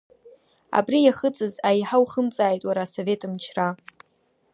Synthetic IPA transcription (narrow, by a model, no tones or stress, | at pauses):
a̰brijaχət͡sʼɨzajħawχəmt͡sʼaːjtʼwaɾaːso̞ve̞tʼɨmt͡ʃʰra